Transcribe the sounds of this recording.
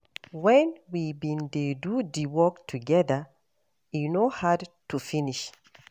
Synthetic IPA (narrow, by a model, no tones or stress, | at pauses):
wɛ̃nwibĩndedudiwɔktʰuɡɛðə | jinohadtufiniʃ